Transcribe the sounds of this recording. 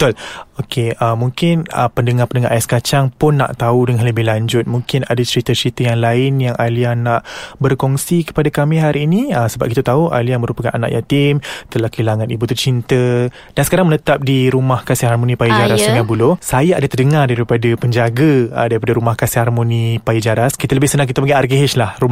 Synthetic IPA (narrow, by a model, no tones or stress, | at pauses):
ət̪ʊlokʰeəmũŋkɪnə̰pəndəŋarpəndəŋaʔajaskat͡ʃaŋpʊnːa̰ʔt̪audəŋanləbɪhlaɲd͡ʒʊt̪̚muŋkɪnadat͡ʃəɾit̪at͡ʃəɾit̪ajaŋlaɪnjaŋʔaliahnaʔbərkɔŋsikə̥padakamɪɦaɾiːniəsəbap̚kit̪at̪auʔa̰liamə̃ɾupakanana̰ʔja̰t̪ɪmt̪əlahkilaŋanibut̪ərt͡ʃint̪ə | d̥ansə̥kaɾaŋmənət̪ap̚diɾumahkasiɦarmonipaid͡ʒaɾasuŋabulosajaadat̪ərdəŋardaɾipadapəɲd͡ʒaɡadaɾipadaɾumahkasɪharmonipaid͡ʒaɾaskit̪aləbɪhsənãŋkit̪apəɡiarɡiɦɪt͡ʃlahrum